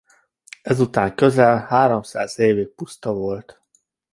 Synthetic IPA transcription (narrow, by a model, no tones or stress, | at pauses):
ɛzut̪aːŋkø̞zɛlhaːɾomsaːzeːvik̚pust̪ɒvo̞lt̪